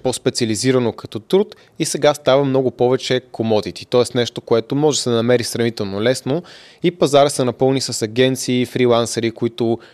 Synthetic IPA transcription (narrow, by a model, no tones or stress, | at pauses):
pɔspɛt̪siɐliziɾɐnokɐ̥t̪ɔt̪ɾut̪ | isɛɡast̪avəmnɔɡʊpɔvɛt͡ʃɛkʰomɔd̪it̪i̥t̪ɔɛsnɛʃt̪okoɛt̪omɔʒɛsɛd̪ɐnɐmɛɾisɾɐvit̪ɛlˠnolɛsno | ipɐzaɾəsɛnɐpɤlˠnisɐsɐɡʲɛnt̪siːfɾilˠansɛɾikoit̪ʊ